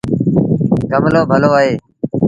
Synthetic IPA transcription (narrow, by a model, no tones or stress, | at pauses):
ɡəmloːbʱəloːaɦeː